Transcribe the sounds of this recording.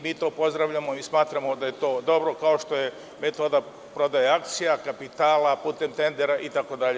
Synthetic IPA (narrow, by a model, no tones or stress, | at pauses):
miːt̪o̞ːpo̞zd̪ɾaʋʎʲamo̞ismaːt̪ɾamo̞d̪aje̞t̪o̞ːd̪o̞bɾo̞kao̞ʃt̪o̞je̞ | me̞t̪o̞ːd̪a | pɾo̞d̪ajeakt̪sijakapit̪aːlapuːt̪e̞mt̪e̞nd̪eɾaʔit̪ako̞d̪aʎe